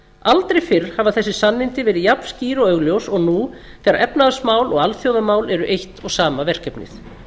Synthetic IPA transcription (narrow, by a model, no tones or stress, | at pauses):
alt̪ɾejfɪɾ̥havaθɛsːɪ̥sanːɪnt̪ɪvɛːɾɪðjapn̥sciːɾɔœɣljowsɔɣnu | k̪ʰɛɾaɾʔɛpnaðasmaːwlɔɣalθjowðamaːwlɛɾʏʔejht̪ɔɣsaːmavɛr̥cɛpnɪ̰θ